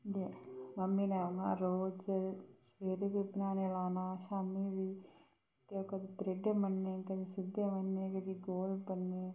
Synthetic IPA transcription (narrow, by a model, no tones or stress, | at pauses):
d̪eməmːiːnẽːoŋɡa̰ːɾoːd͡ʒsʋeːɾebibɪnaːneːlaːnaːʃaːmiːʋiː | t̪eokəd̪it̪ɾeɖeːmənːeːkəd̪iːsɪd̪eːmənːẽːkəd̪iːɡoːlpənːeː